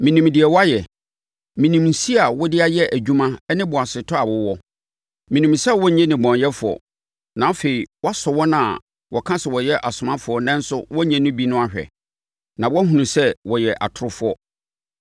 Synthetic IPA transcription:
mĩ˨nĩ˨mdɪ˨ɛ˨wa˦jɛ˨ | mĩ˨nĩ˨mn̩˨si˦a˨wɔ˦dɪ˦a˦jɛ˦ʔæ˨d͡ʑᶣu˦mã˦ɛ˦nɪ̃˦bʊ˨a˨sɪ˨tʰɔ˦a˨wʊ˦wɔ˦ | mĩ˨nĩ˨msɛ˦wɔ˦ɲɛ̃˦nɪ̃˨bɔ̃˨njɛ˦fʊ˨ɔ̰˨ | nã˨fe˨i˨wɔ˦a˦sɔ˨wɔ˦nã˦˨ | wʔɔ˨kʰã˦sɛ˨wɔ˨jɛ˦ʔa˨sʊ˨mã˦fʊ˨ɔ˦nɛ̃˦n̩˦sʊ˦wɔ˦ɲɛ̃˦nʊ̃˦bi˦nʊ̃˦a˦˨ɕᶣɛ̰˨ | nã˨wɔ˦æ˦ɦũ˨nũ˨sɛ˦wɔ˨jɛ˨ʔa̰˨tʰʊ˦ɾʊ˦fʊ˦ɔ˦

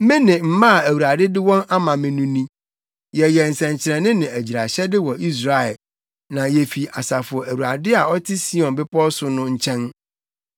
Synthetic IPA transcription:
mɪ̃˦nɪ̃˨m̩˦mã˦a˨æ˨wu˨ɾa˨dɪ˦dɪ˦wɔ̃˦na˦mã˨mɪ̃˨nũ˦nĩ˦ | jɛ˨jɛ˨n̩˨sɛ̃˨ɲ̩˨t͡ɕʰɪ˨ɾɛ̃˨nɪ̃˦nɪ̃˨æ˨d͡ʑi˨ɾa˨ɕɛ˦dɪ˦wɔ˨ʔi˦s̬ɾa˨ɛ˨l | nã˨jɛ˨fi˨a˨sa˨fʊ˨ɔ˨æ˨wu˨ɾa̰˨dɪ˦a˨ɔ˦tʰɪ˦si˦ɔ̃˨nbɪ˦pɔ˦sʊ˨˦nʊ̃˦ɲ̩˦t͡ɕʰɛ̃˦n

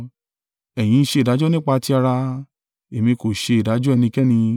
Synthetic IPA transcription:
ɛ˨j̃ĩ˧n̩˦˧ʃe˧˨da˨˦d͡ʒɔ˦nĩ˦k͡pa˧ti˧a˧ɾa˧ | e˨mĩ˧ko˨ʃe˧i˨da˨˦d͡ʒɔ˦ɛ˦˧˨nĩ˧kɛ˦nĩ˧

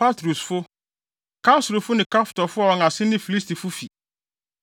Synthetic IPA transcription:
pa˦tɾu˨sfʊ˦ | kʰa˦sɾʊ˨fʊ˦nɪ̃˨kʰa˦ftɔ˨fʊ˦ɔ˦ɔ˨ŋã˨sɪ̃˦nɪ̃˦fi˨li˦sti˨fʊ˦fi˨

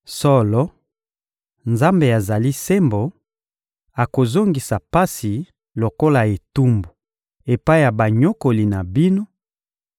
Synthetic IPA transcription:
sɔ˦lɔ˦ | nza˦mbe˨a˨za˨li˦se˦mbo˨ | a˨ko˨zo˦ŋɡi˨sa˨pa˦si˨ | lo˨ko˦la˨e˨tu˦mbu˨ | e˨pa˦i˦˨ja˨ba˨ɲo˦ko˨li˨na˨bi˦no˦

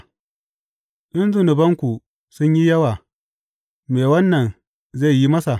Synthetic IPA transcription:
ɗɪ˦nzʊ˨nʊ˨bɐ˦ŋkʷu˨ | sʊ˦ɲji˦jɐ˦waː˨ | meː˨wɐ˦nːɐ˨n | ze˦˨ji˦mɐ˦sa˨

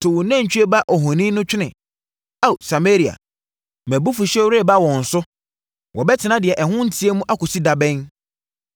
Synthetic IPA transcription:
tʰʊ˨wnã˦˨ɲ̩˨t͡ɕᶣɥe˦ba˦ʔɔ˨ɦɔ̃˨nĩ˦nʊ̃˦t͡ɕᶣɪ˦nɪ̃˨ | a˦˨u˨sa˨me˦ɾi˨a̰˨ | mæ̃˨bu˦fu˨ɕɛ˦wɾe˦˨ba˦wɔ̃˨n̩˨sʊ˦ | wʔɔ˨bɛ˦tʰɪ˨nã˦dɪ˨ɛ˨ʔɛ˨ɦʊ̃˦n̩˦tʰi˦e˦mũ˦ʔa˦kʊ˨si˦da˨bɛ̃˦n

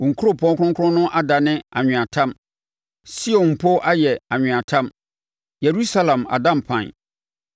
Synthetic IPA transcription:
ɔ˨ŋ̩˨kʰu˦ɾo˦pʰɔ̃˦ŋ˦kʊ̃˦ŋkʰʊ̃˦nʊ̃˦ʔa˦da˨nɪ̃˦a˨ɲᶣɪ̃˨a˨tʰã˦m | si˦õ˨n˨pʰo˦ʔa˦jɛ˨a˨ɲᶣɪ̃˨a˨tʰã˦m | je˨ɾu˦sa˦lã˨ma̰˨dã˦m̩˨pʰã̰˨n˨

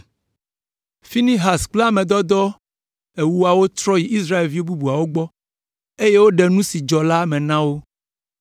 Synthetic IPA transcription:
fi˦nĩ˦ɦa˨sk͡pla˦mɛ̃˨d̪ɔ˦d̪ɔ˦ | e˨wu˦a˨wo˦t̪ɾɔ˦ji˨i˦sɾa˦e˨lvi˦o˦bu˦bu˨a˨wo˦ɡ͡bɔ˦ | e˦je˦wo˦ɖɛ˨nũ˦si˨d͡ʒɔ˨la˦mɛ̃˨nã˦wo˦

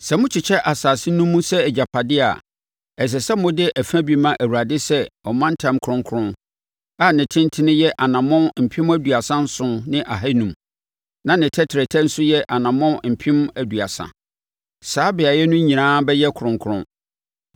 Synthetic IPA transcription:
sɛ˨mʊ̃˦t͡ɕʰɪ˨t͡ɕʰɛ˦ʔa˨saː˨sɪ˦nũ˦mːũ˦sɛ˦ɛ˨d͡ʑa˨pʰa˨dɪ˦a̰˨ | ɛ˨s̬ɛ˨sɛ˦mʊ̃˦dɪ˦ʔæ˨fæ̃˦bi˦mã˦ʔæ˨wu˨ɾa˨dɪ˦sɛ˦ɔ˨mã˦n̩˦tʰã˦mkʰʊ˨ɾʊ̃˦ŋ˦kʰʊ˦ɾʊ̃˦n | a˨nɪ̃˨tʰɪ̃˦n˦tʰɪ˦nʊ̃˦jɛ˦ʔa˨nã˨mɔ̃˦m̩˨pʰɪ̃˦mæ˦du˨a˨sã˦n̩˦sʊ̃˦nɪ̃˦ʔa˨ɦa˦nũ˨˦m | nã˨nɪ̃˨tʰɛ˦tʰɪ˨ɾɛ˨tʰɛ˦n̩˦sʊ˦jɛ˦ʔa˨nã˨mɔ̃˦m̩˨pʰɪ̃˦m˦æ˨du˨a˨sã̰˨ | saː˨˦bɪ˨a˨jɛ˦nʊ̃˦ɲĩ˨nãː˦bɛ˦jɛ˦kʰʊ˨ɾʊ̃˨ŋkʰɾʊ̰̃˦n

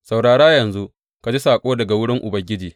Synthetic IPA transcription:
sa˨wɽaː˨ɽaː˦jɐ˨nzu˦ | ka˨d͡ʒi˦saː˨kʷʼoː˦dɐ˨ɡa˨wʊ˦ɽɪ˦ŋʔʊ˨bɐ˨ɡʲɪ˦d͡ʒiː˨

